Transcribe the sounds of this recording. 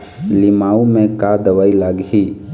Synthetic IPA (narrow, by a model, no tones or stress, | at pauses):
limaːumẽkad̪əʋaːilaɡɦi